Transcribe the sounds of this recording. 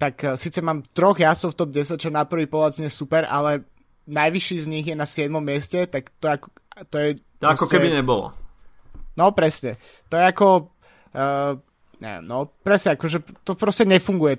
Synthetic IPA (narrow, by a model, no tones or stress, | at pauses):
t̪aksiːt͡sɛmaːmt̪ɾɔɣjasɔʊft̪ɔb̚ɟɛsac̚t͡ʃɔnapr̩ʋiːpɔlaad͡zɲɛsupɛɾʔa̰lɛ | najʋiʃiːzɲiɣjɛnasɪɛd̪mɔmːɪɛscɛt̪akt̪ɔɛakɔ | t̪ɔjɛ | aɾɔkɔkɛbiɲɛbɔlɔ̰ | nɔpɾɛsɲɛ | t̪ɔjɛakɔ | ɲɛ̰ɛ̰mnɔpɾɛsɲɛakɔʒɛt̪ɔpɾɔscɛɲɛfuŋɡujɛ